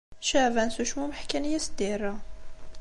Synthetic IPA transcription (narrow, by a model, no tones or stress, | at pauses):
ʃævænsuʃmuməħkænəjːæsd̪iɾˤːɑ